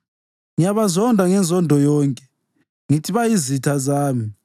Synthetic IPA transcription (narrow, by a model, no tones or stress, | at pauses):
ŋijaβazɔndʱaŋɛnzʱɔndʱɔjɔːŋkʼɛ̥ | ŋitʰiβajizitʰazaːmi